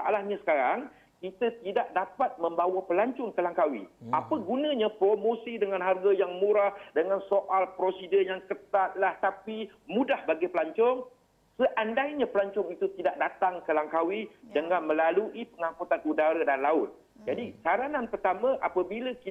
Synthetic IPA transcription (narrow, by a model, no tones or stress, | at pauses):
saʔalahɲãsə̥kaɾaŋ | kit̪ət̪idaʔ̚dapat̪̚mə̃mbawəpəlaɲt͡ʃʊŋkəlaŋkawḭapəɡunə̃ɲãpɾomosidəŋãnɦarɡajaŋmũɾahdəŋansoʔalpɾosidəjaŋkət̪at̪̚laht̪apimũdahbaɡipəlaɲt͡ʃɔŋ | səʔandaiɲãpəlaɲt͡ʃʊŋit̪ut̪idaʔ̚dat̪aŋkəlaŋkawidəŋãnmə̃laluʔipəŋãkut̪anʔudaɾadanlaʊt̪̚ | d͡ʒadisaɾananpərt̪amə̃ʔapəbiləki